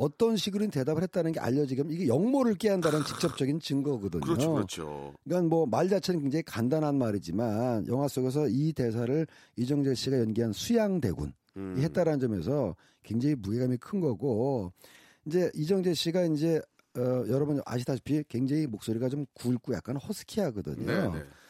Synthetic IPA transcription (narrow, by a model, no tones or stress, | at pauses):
ʌt͈ʌnɕʰiɡɯɾɯnte̞dabɯɭɦe̞t̚t͈anɯnɡe̞ʔa̰ʎːʌd͡ʑiɡimiɡe̞jʌŋmoɾɯɭk͈eɦandaɾanɯnt͡ɕik̚t͡ɕ͈ʌp̚t͡ɕ͈ʌɡint͡ɕɯŋɡʌɡʌdɯ̰ɲo̰ | k͈anmwʌmaɭd͡ʑat͡ɕʰenɯnkeŋd͡ʑeŋikandanɦanmaɾid͡ʑimanjʌŋɦwas͈oɡe̞s̬ʰʌite̞s̬ʰaɾɯɭ | id͡ʑʌŋd͡ʑeɕ͈iɡajʌnɡiɦansʰujaŋde̞̰ɡṵn | iɦe̞t͈aɾannd͡ʑʌme̞̰sʰʌ | kwe̞ŋd͡ʑeŋimuɡeɡamikʰɯnɡʌɡo | ind͡ʑe̞ʔid͡ʑʌŋd͡ʑe̞ɕ͈iɡaind͡ʑe̞ | ʌjʌɾʌbuna̰ɕʰitʰaɕʰi̥pʰikwe̞ŋd͡ʑeŋimok̚s͈oɾiɡat͡ɕomkuɭk͈uja̰k͈anhʌsʰɯ̥kʰiɦaɡɯdɯ̰ɲo̰